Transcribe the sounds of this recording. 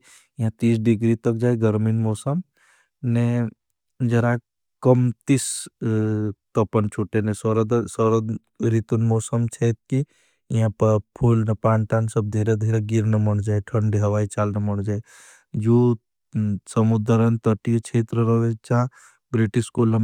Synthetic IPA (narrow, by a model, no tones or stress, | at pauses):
ĩɦãt̪iːsɖiɡɾit̪ɐk̚d͡ʒaːjɡəɾminmɔːsəm | ne | d͡ʒɐɾa | kəmt̪is | t̪ɐpənt͡ʃʰuʈenesɔɾɐd̪sɔɾə | ɾit̪unmɔːsəmt͡ʃʰeːt̪̚ki | ĩɦãpɐpʰuːlnɐpaːɳʈaːnsɐb̚d̪ʱiːɾed̪ʱiːɾeɡiɾnɐmɐɽ̃d͡ʒaːeʈʰənɖiɦɐʋaːit͡ʃaːlnɐmɐɽd͡ʒaːe | d͡ʒuː | sɐmud̪əɾɐnt̪əʈijot͡ʃʰeːt̪ɾəɾəʋet͡ʃãː | bɾiʈiskoːlɐm